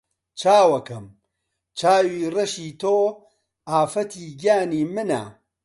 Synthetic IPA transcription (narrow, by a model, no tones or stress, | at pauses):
t͡ʃʰaːwɐkɐm | t͡ʃʰaːwiːrɐʃiːt̪ʰoː | aːfɐt̪ʰiːɡaːniːmɨna̰